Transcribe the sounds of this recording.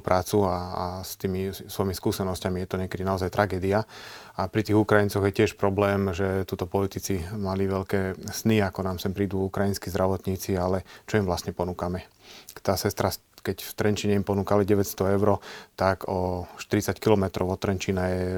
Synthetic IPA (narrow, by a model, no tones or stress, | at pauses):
pɾʔaːt͡suaast̪iːmisʋɔjimiskuːsɛnɔscamijɛt̪ɔɲɛkɛd̪inaɔzajt̪ɾʔaɡɛːd̪ia | apɾit̪iːɣukɾajint͡sɔɣjɛcɪɛʃpɾɔblɛːmʒɛt̪uːt̪ɔpɔlit̪it͡simaliʋɛʎkɛːsniakɔnaːmsɛmpɾiːd̪uːukɾajinskizd̪ɾaʋɔt̪ɲiːt͡sialɛt͡ʃɔimʋlasɲɛpɔnuːkamɛ | t̪aːsɛst̪ɾa | kɛcft̪ɾɛnt͡ʃiɲɛimpɔnuːkaliɟɛʋɛcst̪ɔɛʊɾɔt̪aɡʰɔʃt̪iɾit͡sackilɔmɛt̪ɾɔ̰ʊɔt̪ːɾɛnt͡ʃiːnajɛɛ